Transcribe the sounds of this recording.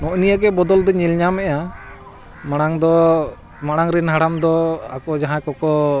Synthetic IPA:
nɔʔnijaɡɛbɔd̪ɔld̪ɔɲilɲamɛja | maɽ̃aŋd̪ɔ | maɽ̃aŋɾɛnɦaɽamd̪ɔa̰kɔd͡ʒaɦãkɔkɔ

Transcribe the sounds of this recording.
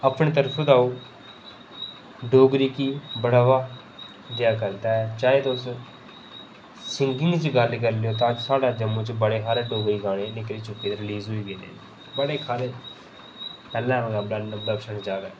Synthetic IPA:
əpɳẽːt̪əɾpʰːd̪aːoː | ɖoːɡɾiːkiːbəɽaːʋaː | d̪ɪjaːkəɾt̪aːɛt͡ʃaːeːt̪ːʊs | sɪŋɡɪ̃ŋɡt͡ʃɡəɾlɪk̬əɾlejoːt̪ad͡ʒsaːɖaːd͡ʒəmũːt͡ʃbəɽeːɦʰaːɾeːɖoːɡɾiːɡaːɽ̃enɪkɾiːt͡ʃʊpːeːɾɪliːzɦoiːbiːnḛːi | bəɽeːkʰaːɾeː | pɛːlãːɡaːbd̪əkʃəɳd͡ʒaːdaː

